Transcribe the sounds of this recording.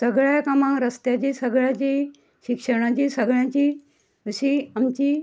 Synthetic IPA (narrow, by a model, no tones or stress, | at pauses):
səɡɭajkamãŋɡɾəst̪jat͡ɕisəɡɭjat͡ɕi | ɕikʂəɽ̃at͡ɕiːsəɡɭjãt͡ɕiː | ɕiamt͡ɕiː